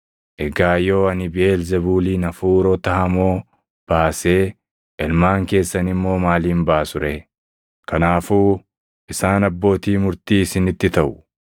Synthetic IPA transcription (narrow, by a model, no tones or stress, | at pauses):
ʔɛɡaːjo̞ːɐnɪbɪeːlzɛbuːliːnɐfuːɾot̪ɐhɐmo̞ː | b̥aːseː | ʔɛlmaːŋke̞ːsːɐnɪmːo̞ːmaːliːmbaːsʊɾɛ | kɐnaːfuː | ʔɪsaːnɐbːo̞ːt̪iːmʊɾt̪iːɪsɪnɪt̪ːɪt̪ɐʔʊ̥